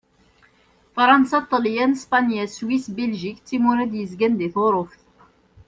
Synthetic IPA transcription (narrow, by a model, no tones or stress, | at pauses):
fɾˤɑnsat̪ˤːɑljænspɑnjæswisbelʒikt̪ːimuɾæd̪jəzɡænd̪iθoɾˤofθ